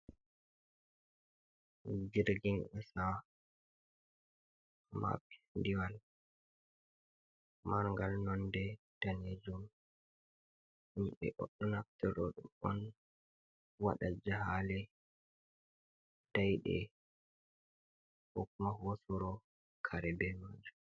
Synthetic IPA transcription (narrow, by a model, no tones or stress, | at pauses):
d͡ʒiɾɡinɓɛsa | ma̰pi̥ndiwal | maɾŋɡalnɔndɛd̥aned͡ʒum | imɓɛ̰ʔɔɗːɔnaftɛɾɔɗumɔ̰n | waɗad͡ʒahalɛ | d̥ajɗɛ̰ | hokumahosuɾɔ | kʰaɾɛbɛmad͡ʒu